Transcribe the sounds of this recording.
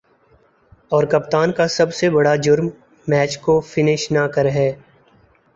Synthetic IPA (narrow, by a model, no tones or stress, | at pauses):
ɔːɾkɐp̚t̪aːnkasɐbsebɐɽad͡ʒʊɾmː | ɛːt͡ʃkofɪnɪʃnakəɾɦɛː